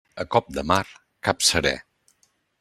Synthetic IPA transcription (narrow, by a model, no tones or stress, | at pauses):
əkɔp̚d̪əmaɾ | kapsəɾɛ̰